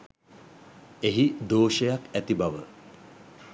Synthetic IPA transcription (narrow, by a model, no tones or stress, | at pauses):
eɦid̪oːʃəjakæt̪ibaʋə